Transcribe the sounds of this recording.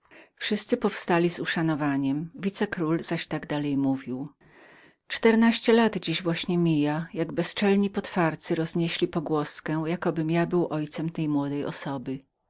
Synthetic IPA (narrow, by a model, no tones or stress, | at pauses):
fʂɘst̪sɘpɔfst̪alʲizuʂanɔvaɲɛmvʲit̪sɛkɾulz̥aɕt̪aɡd̪alɛjmuvʲiw | t͡ʂt̪ɛɾnaɕt͡ɕɛlad̪d͡ʑiʑvwaɕɲɛmʲijajaɡbɛst͡ʂɛlɲipɔt̪faɾt̪sɘɾɔzɲɛɕlʲipɔɡwɔskɛ̃jakɔbɘmjabɘwʔɔjt̪sɛmt̪ɛjmwɔd̪ɛjʔɔ̰sɔbɘ